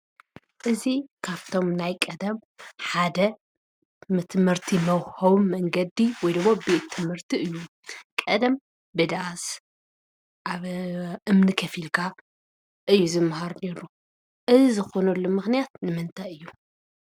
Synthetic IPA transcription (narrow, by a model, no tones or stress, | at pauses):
ʔɨzikʰaβt̪ʰo̞mnajkʼɐd̪ɐm | ħad̪ɐ | mɨt̪ʰɨmɨɾt̪ʰimɐwhɐwmːɐŋɡɐd̪iwɔjd̪ɨmːobet̪ʰːɨmhɨɾt̪ʰiʔɨjːu | kʼɐd̪ɐm | bɨd̪aʔs | ʔaβʔɨmnɨkʰɐfilkʰa | ʔɨjːuzɨmːhaɾne̞ɾu | ʔɨzizɨxo̞nɐlːomɨxnijat̪nɨmɨnt̪ʰajɨjːu